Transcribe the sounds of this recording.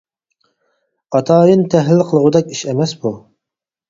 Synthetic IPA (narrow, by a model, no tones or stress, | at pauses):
ɑt̪ʰɑːjɨnt̪ʰɛɦlɪlqʰəlˠəʁʊd̪ɛkʲiʃɛmɛsbu